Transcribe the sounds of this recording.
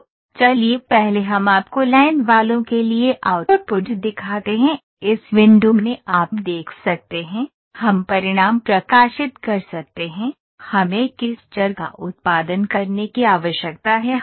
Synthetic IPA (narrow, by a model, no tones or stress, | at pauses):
t͡ʃɐliepɛɦleɦɐmaːpkolaːɪnʋaːlõkelieʔaʊtɔɾpʊʈd̪ɪkʰaːt̪eɦɛ̃ | ɪsʋɪ̃ɳɖuːmneʔaːpd̪eːkʰsɐk̚t̪eɦɛ̃ | hɐmpɐɾɪɽ̃aːmpɾɐkaːʃɪt̪kɐɾsɐk̚t̪eɦɛ̃ | hɐmẽkɪsd͡ʒɐɾɡa̰ʔʊt̪̚paːd̪ənkɐɾnekiaːʋəʃjək̚t̪aɦɛ